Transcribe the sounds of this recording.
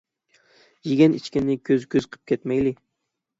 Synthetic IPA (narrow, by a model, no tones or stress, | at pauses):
jɪɡʲænit͡ʃkʲɪnːɪkʲʰɵzkʲʰɵzqʰɨ̥p̚kʲʰet̪majlɪ